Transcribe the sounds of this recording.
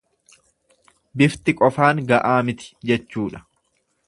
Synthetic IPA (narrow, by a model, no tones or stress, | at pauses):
bɪft̪ɪkʼɔfaːŋɡɐʔaːmɪt̪ɪ̥d͡ʒɛt͡ʃːuːᶑɐ̥